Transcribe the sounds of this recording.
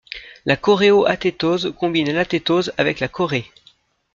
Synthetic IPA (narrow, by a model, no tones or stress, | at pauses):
lakɔʁeoʔat̪et̪ozkɔ̃binɛlat̪et̪ozavɛklakɔʁe